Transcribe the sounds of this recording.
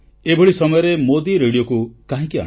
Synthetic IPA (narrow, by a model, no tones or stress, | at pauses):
ebʱoɭisɔmɔjɔɾemod̪iɾeɽijokukaɦĩkiã̰